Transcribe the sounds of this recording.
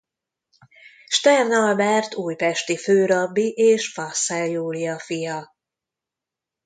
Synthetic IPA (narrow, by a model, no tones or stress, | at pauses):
ʃt̪ɛrnɒlbɛrt̪uːjpɛʃt̪iføːɾɒbːiʔeːʃfɒsːɛljuːlijɒfijɒ